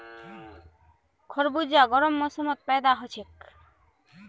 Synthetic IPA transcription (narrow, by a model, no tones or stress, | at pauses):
kʰoɾbud͡ʑaɡɔɾomːosomot̪̚pɛed̪aɦot͡ɕʰek